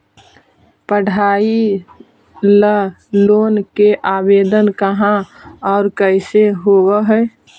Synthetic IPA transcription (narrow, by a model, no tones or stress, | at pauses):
pəɽ̤ʱaːi | lə | loːnkeʔabeːd̪ənkəɦãɔːɾkəɪseɦowəɦəj